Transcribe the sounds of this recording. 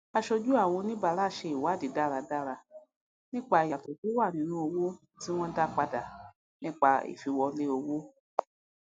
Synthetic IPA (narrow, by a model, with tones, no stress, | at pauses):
a˧ʃo˧d͡ʒu˦a˦˨w̃ɔ̃˧nĩ˦ba˧˦la˦˨ʃe˧i˨wa˨˦˨di˨da˦˨ɾa˧da˦ɾa˧ | nĩ˦k͡pa˦˨ja˨to˨d͡ʒu˦wa˦˨nĩ˨˦nũ˧˦o˧wo˦ | ti˦w̃ɔ̃˦da˦k͡pa˧da˨ | nĩ˦k͡pa˧ḭ˨fi˧wɔ˧le˦o˧wo˦